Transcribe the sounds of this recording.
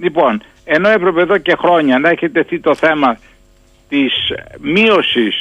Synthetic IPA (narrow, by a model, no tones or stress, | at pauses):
lipo̞n | e̞no̞epɾe̞peðo̞ce̞xɾo̞ɲɐneçet̪eθit̪o̞θe̞mɐ | t̪ismio̞sis